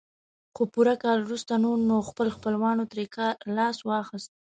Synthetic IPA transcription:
xopuɾakɑlwɾust̪anunoxpəlxpəlwɑnot̪ɾekalɑswɑxəst̪̚

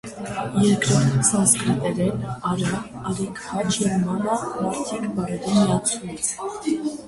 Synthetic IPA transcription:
jɛɾkɾɔɾt̪ʰt͡sʰɑskit̪ɛɾɛnɑɾɑː | ɾikhɑt͡ʃɛɾmɑnɑmɑɾt̪ʰikbɑɾɛɾimijɑt͡sʰumit͡sʰ

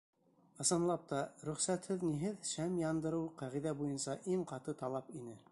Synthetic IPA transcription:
ɤ̆sɤ̆nlˠɑp̚t̪ɑɾɵ̆χsæt̪hɘðniɦɘðʃæmjɑnd̪ɤ̆ɾɤwqæʁiðæbujɤnsɑʔiŋqɑt̪ɤt̪ɑlˠɑpinɘ

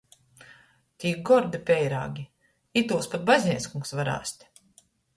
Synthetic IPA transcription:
t̪ʲiːɡɔɾd̪ipʲɛjɾa̰ːɡʲi | it̪uːspat̪̚bazʲnʲiɛskuŋksvaɾa̰ːsʲt̪ʲ

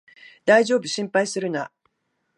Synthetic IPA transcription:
d̪aiʑo̞ːbɯ̟ɕĩmpaisɨɾɯ̟na̰

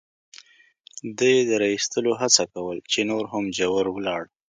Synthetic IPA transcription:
d̪əjed̪əɾɑist̪əloɦat͡sakawəlt͡ʃenoɾɦamd͡ʒawəɾwəlɑɽ

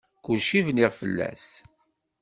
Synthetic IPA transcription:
kʊlʃivniʁfə̰lːæ̰s

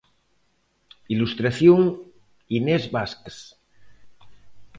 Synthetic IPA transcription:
ilust̪ɾaθjoŋ | inezβasks

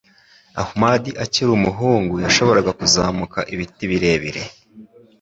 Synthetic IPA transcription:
a̰humadiʔaciɾumuɦuːŋɡujaʃo̞βo̞ɾaɡakuzaːmukaʔiβitiβiɾe̞βiɾe̞̰

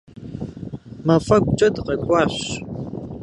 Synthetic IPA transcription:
mɐfɐkʷt͡ʃʼɐdqɐkʷʼɑːɕʷ

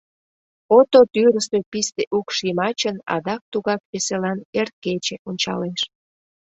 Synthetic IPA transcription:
ot̪ot̪yɾəst̪øpist̪eʔukʃimɑt͡ɕənɑ̰d̪ɑk̚t̪uɣɑk̚peselɑnert̪̚ket͡ɕeʔonʲt͡ɕɑ̰leʃ

